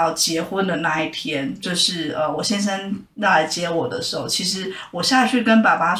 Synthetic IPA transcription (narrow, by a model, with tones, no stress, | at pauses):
ɑ˥˩ʊt͡ɕjɛ˧˥xwə˥nd̪ə˨na˥˧i˥˩t̪ʰjɛ˥nt͡ɕjo˥˧ʊʂɻ̩˥˩ə˧wɔ˨˩ɕjɛ˥nʂ̬ə˥n | ɻla˧˥ɪt͡ɕjɛ˧˥wɔ˨˩d̪ə̰˦ʂɻ̩˧˥xo˥˩ʊt͡ɕʰi˧˥ʂɻ̩˧˥wɔ˨˩ɕja˥˧˥ʂɻ̩˥˩kə˥npa˨˩pa˥